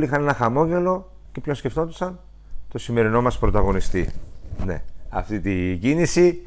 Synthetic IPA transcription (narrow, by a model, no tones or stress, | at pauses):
lixɐne̞nɐxɐmo̞ɲɟe̞lo̞ | cepçonsce̞ft̪o̞nd̪isɐn | t̪o̞sime̞ɾino̞mɐspɾo̞t̪ɐɣo̞nist̪ine̞̰ɐ̰ft̪it̪iɟinisi